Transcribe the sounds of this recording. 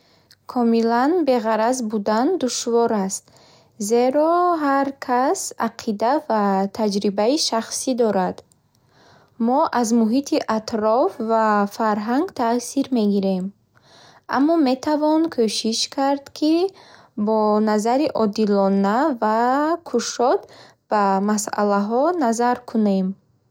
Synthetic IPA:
kʰɔmilanbe̞ʁaɾazbud̪and̪uʃvɔɾast̪ | ze̞ɾɔɦaɾkʰasa̰qʰid̪avat̪ʰad͡ʒɾibaiʃaχsid̪ɔɾad̪ | mɔʔazmuɦit̪ʰiʔat̪ɾɔfvafaɾɦaŋɡt̪ʰasiɾme̞ɡiɾe̞m | ʔa̰mːɔme̞t̪ʰavɔnkʰøʃiʃkʰaɾd̪kʰi | bɔnazaɾiʔɔd̪ilɔnavakʰuʃɔd̪ | b̥amasa̰laɦɔnazaɾkʰune̞m

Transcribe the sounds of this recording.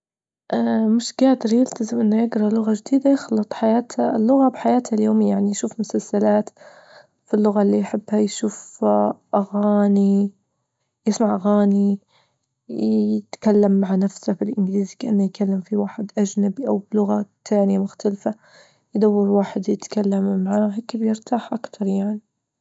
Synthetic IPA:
ʔaːmɪʃɡaːd̪ɪɾjɪlt̪azɪmʔɪnːajɪɡɾˤɑlʊɣaʒɪd̪iːd̪ajɪxlɨt̪ˤħajaːt̪alːʊɣabɪħajaːt̪haljoːmjaʕnijʃuːfmʊsalsalaːt̪ | filːʊɣalːijħɪbːhajʃuːfʔaɣaːni | jɪsmaʕʔaɣaːni | ɪt̪kalːamːaʕanafsafilʔɪnɡliːzkaʔɪnːajɪtkalːamfiwaːħɪd̪ʔad͡ʒnabiʔawblʊɣat̪ʰːaːnɪjamʊxt̪alfa | jd̪awːɪɾwaːħɪd̪jɪt̪kalːamːaʕaːɦeːkbjɪɾt̪aːħʔakt̪ʰɑɾˤjaʕni

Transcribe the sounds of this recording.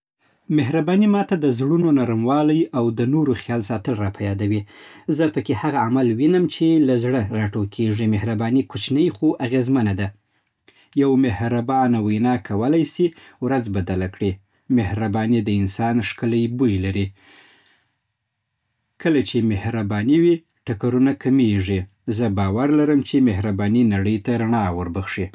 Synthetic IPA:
mɪɦɾabɑnimɑt̪ad̪əzɽunonaɾamwɑlajawd̪ənoɾoxjɑlsɑt̪əlɾɑpʰajɑd̪awizəpəkehaɣaamalwinəmt͡ʃelazɽəɣaʈokʰeʐimɪhɾabɑnikut͡ʃnəjxoʔaɣezmanad̪a | jawmɪhɾabɑnawajnɑkʰawəlajsi | wɾad͡zbad̪alakɽi | mɪhɾabɑnid̪əɪnsɑnʂkələjbujlaɾi | kəlat͡ʃemɪhɾabɑniwi | ʈakaɾunakʰameʐi | zəbɑwaɾlaɾəmt͡ʃemehɾabɑninaɽəjt̪aɾaɳɑwəɾbəɣʂi

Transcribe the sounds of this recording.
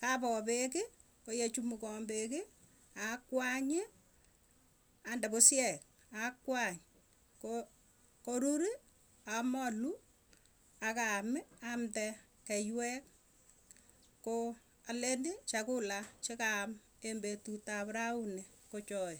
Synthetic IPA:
kapɔpekɪ | kojet͡ʃumukɔmbekɪ | akwaɲɪ | andɛposjɛk̚ | akwaɲ | ko | koɾuɾi | amɔlu | akamɪamtɛ | kɛjwɛk̚ | ko | alendit͡ʃakulat͡ʃekam | embetutapɾaunekot͡ʃɔe

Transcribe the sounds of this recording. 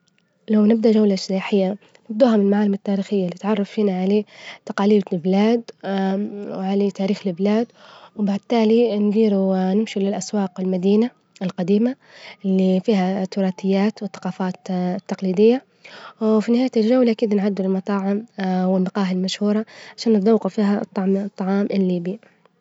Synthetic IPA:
lawnɪb̚d̪aʔʒawlaʃijaːħɪjːa | nɪb̚d̪uːɦamɪnɪlmaʕaːlɪmat̪ːaːɾiːxɪjːalːit̪ʕɑrˤːɑffiːnaʕaleːt̪ɑqɑːliːdlblaːd̪ | ʕalet̪aːɾiːxlɪblaːd̪wbaʕd̪̚t̪aːlinɡ̪iːɾunɪmʃilɪlʔaswɑːqɪlmad̪iːna | ɪlqɑd̪iːma | lːifiːɦat̪ʊɾˤɑːt̪ɪjːaːt̪wɪθːɑ̥qɑːfaːt̪t̪ːɑqliːd̪ɪjːa | finɪhaːjat̪ɪlʒawːlaʔkiːd̪nʕad̪ːɪlɪlmɑt̪ˤɑːʕɪmwɪlmɑqɑːɦalmaʃhuːɾˤɑʕaʃaːnːɪt̪̚ˤd̪ɑwːɑqufiːɦat̪ˤːt̪ˤːɑʕɑːmʔɪlːiːbi

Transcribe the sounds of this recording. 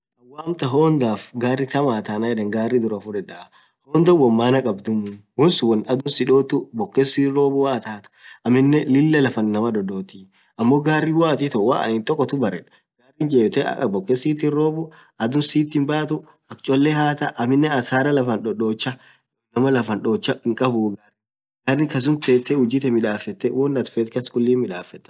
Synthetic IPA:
ɐwaːmt̪ɐɦoːnd̪aːfɡaːrːɪt̪ɐmaːt̪aːnajɛd̪ɐŋɡaːrːɪd̪ʊɾɐfʊɾɛᶑɐ | hoːnd̪ɔwɔmːaːnɐkʼɐbd̪ʊmʊwɔnsʊwɐnɐd̪ʊnsɪᶑoːt̪ʊbɔkːɛsiːɾoːbʊwaːt̪aːt̪ʊ̥ʔɐmɪnːɛlɪlːɐlɐfɐnːɐmɐd̪ɔᶑoːt̪i | ɐmːoːɡaːrːiwaːt̪it̪ɔwa̰ːʔɐ̰nɪnt̪ɔkːɔt̪ʊbɐɾɛᶑ | ɡ̥aːrːind͡ʒeːt̪ɛ̰bɔkːɛsiːt̪inɾoːbʊ | ʔɐd̪ʊnsiːt̪ːinbaːt̪ʊ | ɐk̚t͡ʃʼɔlːɛɦaːt̪ɐʔɐmɪnːɛɐsaːɾɐlɐfɐnᶑɔᶑoːt͡ʃːɐ | nɐmɐlɐfɐnᶑoːt͡ʃːɐɪŋkʼɐbuːɡaːɾ | ɡaːrːɪŋkɐs̬ʊnt̪eːt̪ːɛhʊd͡ʒɪt̪ɛmɪᶑaːfːɛt̪ːɛwɔnːɐt̪fɛːt̪kɐskʊlːiːnmɪᶑaːfːɛt̪ːɛ

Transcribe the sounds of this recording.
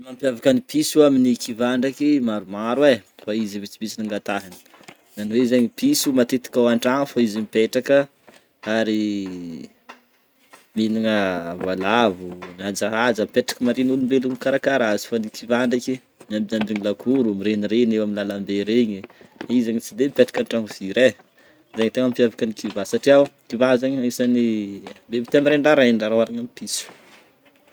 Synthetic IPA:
mampjavakənipʰisuaminikʰivaɳɖ͡ʐakimaɾumaɾwefaizivit͡simisiniŋɡat̪aɦini̥ | ɡaniweizaɲipisumat̪et̪i̥kawaɳɖ͡ʐaŋfaizimipeʈ͡ʂakə | aɾi | miliŋəvalavumad͡ʒaɦazəmipeʈ͡ʂḁkəmaɾinulumbelunikaɾakaɾazi̥fanikʰivaɳɖ͡ʐaki | mambiambiŋilakʰuɾumiɾeniɾenewaminlalambeɾeɲiizaɲit͡sid̪emipeʈ͡ʂḁkaɳʈ͡ʂaŋuviɾe | zaɲit̪aŋampiavakənikʰivasaʈ͡ʂiawikivazaɲisanimbemit̪eamiɾeɳɖ͡ʐaɾaeɳɖ͡ʐaɾawaɾaɲamipisu̥

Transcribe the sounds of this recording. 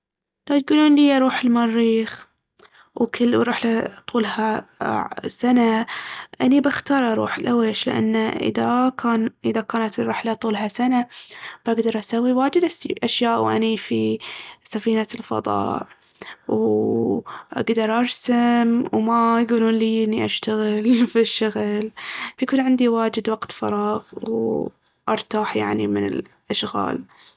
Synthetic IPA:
lajt̪̚ɡuːluːnliːʔɑɾˤuːħɪlmɑrːiːx | wkʰɪlwɾɪħlat̪ˤuːlha | sanaʔanibaxt̪ɑːɾˤʔɑɾˤṵːħɪlʔaweːʃlɪ̰ʔa̰nːaʔɪ̰ðakaːnʔɪðakaːnat̪rːɪħlat̪ˤuːlɦasanab̥aɡd̪ɑɾˤʔasawːiwaːd͡ʒɪd̪aʔaʃjaːʔwʔa̰nifisafiːnalfɑ̰ðˤɑ̰ːʕ | w | ʔa̰ɡd̪ɑɾˤʔɑɾsamwmajɡuːluːnliːʔɪnːiʔaʃt̪aɣɪlfiʃːʊɣlfajakuːnʕɪnd̪iwaːd͡ʒɪd̪waɡt̪fɑ̰ɾˤɑːɣw | ʔɑɾˤt̪aːħja̰ʕnimɪnɪ̰lʔaʃɣa̰ːl

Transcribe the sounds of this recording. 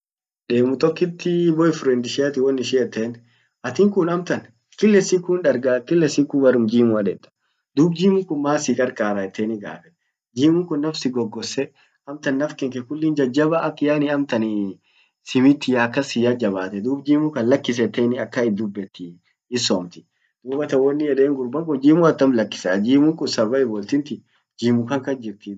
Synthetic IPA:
ᶑe̞ːmʊt̪ɔkːɪt̪ːɪbɔɪfɾɛnd̪ɪʃiɐt̪ɪwɔnːɪʃɪɛt̪ːeːn | ʔɐt̪ɪŋkʊnɐmt̪ɐn | kɪlːɛsikːʊnᶑɐɾɡakɪlːɛsikːubɐɾʊmd͡ʒiːmʊɐᶑɛt̪ːɐ̥ | d̪uːb̚d͡ʒiːmʊŋkʊnmaːsɪkʼɐɾkʼaːɾaɛt̪ʰːeːnɪɡa̰ːfɛ | d͡ʒiːmʊŋkʊnːɐfsɪɡɔɡːɔsːɛ | ɐmt̪ɐnːɐfkɛŋkɛkʊlːɪnd͡ʒɐd͡ʒːɐbɐɐkːɪjaːnɪɐmt̪ɐnɪ | sɪmɪt̪ːɪjaɐkːɐsɪjad͡ʒɐβaːt̪ɛd̪uːbd͡ʒiːmʊkɐnlɐkːɪs̬ɛt̪ːeːnɪɐkːɐɪd̪ʊbːɛt̪ːɪ | ɪsɔmt̪ɪ̥ | d̪̥uːbɐt̪ɐwɐnːɪjɛᶑeːŋɡʊɾbɐŋkʊnd͡ʒiːmʊɐt̪ːɐmlɐkːɪ̥sɐd͡ʒiːmʊŋkʊnsɐbɐɪbɔlt̪ɪnt̪ɪ | d͡ʒiːmʊkɐŋkɐnd͡ʒɪɾt̪ɪ

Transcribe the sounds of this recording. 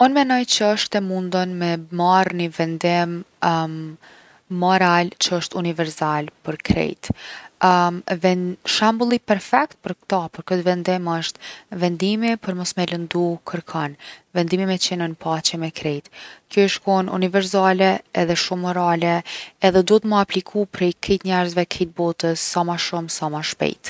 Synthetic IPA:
ɔnmɛnɔjt͡ɕəəʃt̪ɛmund̪ɔnmɛmaɾnivɛnd̪im | ɔɾalt͡ɕəəʃt̪univɛɾsalpəɾkɾɛ̰jt̪ | vɛʃambulˠipɛɾfɛkt̪̚pəɾkt̪ɔpəɾkət̪vɛnd̪ɪməʃt̪vɛnd̪imipəɾmɔsmɛlənd̪ukʰəɾkʰɔnvɛnd̪imimɛt͡ɕɛnənpat͡ɕɛmɛkɾɛjt̪kjɔʃkɔnṵnivɛɾs̬alɛɛðɛʃumːɔɾalɛːðɛd̪ɔt̪məaplikʰupɾɛjkʰɛt̪ɲɛɾzvɛkʰit̪̚bɔt̪əsːamaʃumsamaʃpɛ̰jt̪

